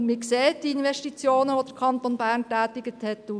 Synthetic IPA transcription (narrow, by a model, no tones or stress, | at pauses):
mɪkseːt̚d̥iinʋɛʃtit͡sjoːnəʋod̥̪əɾkʰɑnt̪onbæːɾntæːtɪɡət̪hɛtːu